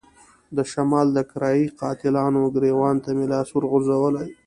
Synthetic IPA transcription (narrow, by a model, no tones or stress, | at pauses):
d̪əʃamɑːld̪əkɾɑjiqɑt̪ɪlɑːnoɡɾewɑnt̪amelɑsʊɾɣʊzawəlaj